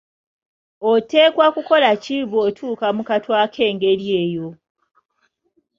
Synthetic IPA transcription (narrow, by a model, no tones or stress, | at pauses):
ote̞ːkwakuko̞laciβotʰuːkamukatwaːkʰe̞ːŋɡeɾje̞ːjo̞